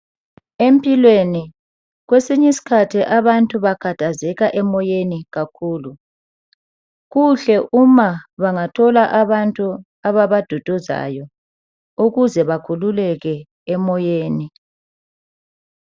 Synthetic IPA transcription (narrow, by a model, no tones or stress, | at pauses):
empʼilweni | ɣwesiɲisi̥kʰatʰiʔaβantʼuβaɡ̥ʱatazɛɣaʔɛmɔjeniɣakʰuːlu | ɣuɬɛʔumaβaŋatʰɔlaʔaβantʼu | aβaβad̥ʱɔd̥ʱɔza̰jɔ | uɣuzɛβakʰululɛɣɛ | ɛmɔjeːni